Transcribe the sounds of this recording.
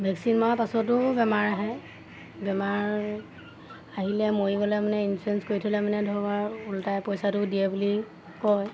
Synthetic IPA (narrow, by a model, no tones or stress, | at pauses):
bʱɛksinmɔpasɔtʊbɛmaɹaɦɛ | bɛmaɹ | aɦilɛmojibɔlɛmanɛinsuɛnskoitʰulɛmanɛdʱɔɡaɹultajpɔjsatʊdiɛbuli | kɔj